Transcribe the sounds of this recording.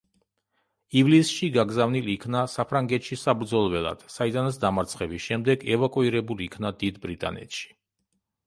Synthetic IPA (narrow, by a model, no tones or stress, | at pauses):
ivlisʃiɡaɡzavnilikʰnasapʰɾaŋɡɛt̪ʃisabɾd̪zɔlˠvɛlˠa̰d̪̥said̪anasd̪amaɾt̪sʰχɛbisʃɛmd̪ɛɡɛvakʼuiɾɛbuliːkʰnad̪id̪bɾit̪ʼa̰nɛ̰t̪ʃi̥